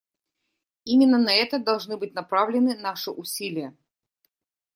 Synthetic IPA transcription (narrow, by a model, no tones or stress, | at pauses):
imʲɪnːənɐɛt̪əd̪ɐlˠʐnɨbɨtʲnɐpɾavlʲɪnɨnaʂɨʔʊsʲilʲɪjə